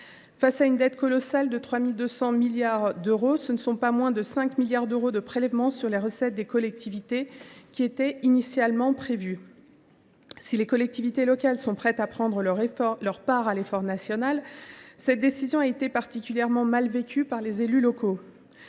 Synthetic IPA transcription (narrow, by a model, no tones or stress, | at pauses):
fasaynd̪ɛt̪kɔlɔsald̪ət̪χwamild̪øsɑ̃miljaʁd̪øʁosənəsɔ̃pamwɛ̃d̪əsɛ̃kmiljaʁd̪øʁod̪əpχelɛvmɑ̃syʁleʁəsɛt̪̚d̪ekɔlɛk̚t̪ʰivit̪ekʲiet̪ɛinisjalmɑ̃pχevy | silekɔlɛk̚t̪ivit̪elɔkalsɔ̃pχɛt̪apχɑ̃d̪ʁəlœʁpaʁalefɔʁnasjɔnalsɛt̪̚d̪esizjɔ̃aet̪epaʁt̪ikʲyljɛʁmɑ̃malvekʲypaʁlezelylɔko